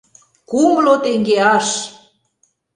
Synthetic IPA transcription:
kumlot̪eŋɡeɑʃ

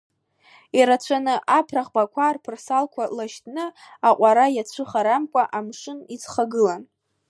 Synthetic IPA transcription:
iɾat͡ɕʷʰanɨʔapʰraχbakʷʰarpʰɨrsalkʷʰalaʃtʰʼnɨaqʷʼaɾajat͡ɕʷʰɨχaɾamkʷʼaʔamʂɨnit͡sχaɡɨlan

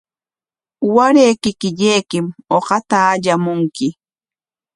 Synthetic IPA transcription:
waɾeːkɪkɪʎejkɪmoɢɑt̪aːʎamʊŋkɪ

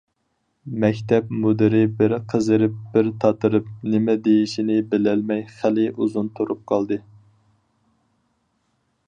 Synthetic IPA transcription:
mɛkʲt̪ʰɛpmud̪ɪɾɪbɪɾqʰəzɨɾɪp̚bɪɾt̪ʰɑt̪ʰɨɾɨp̚nɪmɛd̪ejiʃinɪbɪlɛlmɛjχælɪʔuzunt̪ʰuɾup̚qʰɑlˠd̪ɨ

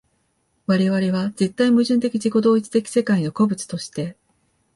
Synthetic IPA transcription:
βaɾe̞βaɾe̞βaze̞t̪ːaimɯ̟ʑɨ̃nt̪e̞kʲiʑiko̞d̪o̞ːit͡sɨ̥t̪ekʲi̥se̞kaino̞ko̞bɯ̟t͡sɨ̥t̪o̞ɕi̥t̪e̞

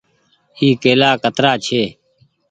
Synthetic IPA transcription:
iːkeːlaːkət̪ɾaːt͡ʃʰeː

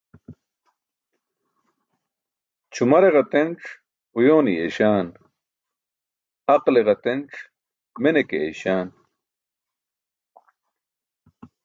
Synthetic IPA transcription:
t͡ɕʰumɐɾeʁɑt̪enʈ͡ʂ | ujoːnijeɕaːn | ɐqleʁɑt̪enʈ͡ʂ | menekeḛjɕaːn

